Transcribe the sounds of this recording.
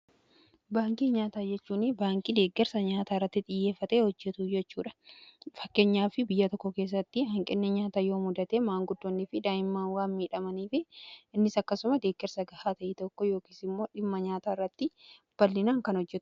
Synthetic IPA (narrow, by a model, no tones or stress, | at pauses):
baːŋkʼiːɲaːt̪aːd͡ʒɛt͡ʃːuːnɪbaːŋkʼid̪e̞ːɡɛɾsɐɲaːt̪aːɪrːɐt̪ːɪt̪ʼɪjːeːfːɐt̪e̞ːhɔd͡ʒːɛt̪ud͡ʒɛt͡ʃːuːᶑɐ̥fɐkːeːɲːaːfɪbɪjːɐt̪ɔkːɔke̞ːs̬ːɐt̪ːɪhɐŋkʼɪnːɛɲaːt̪aːjo̞ːmʊd̪ɐt̪eːmaːŋɡʊd̪ːonːifɪd̪aːjɪmːaːnwaːnmiːᶑɐmɐniːfɪʔɪnːɪsɐkːɐsʊmɐd̪e̞ːɡːɛɾsɐɡɐhaːt̪ɐʔɪt̪ɔkːɔjo̞ːkiːsɪmːo̞ːᶑɪmːɐɲaːt̪aːɪrːɐt̪ːɪ | b̥ɐlːɪnaːŋkɐnɔd͡ʒːɛt̪ʊ̥